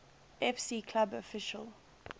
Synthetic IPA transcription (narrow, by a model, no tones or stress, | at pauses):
ɛfsiːkʰlabɔfɪʃəl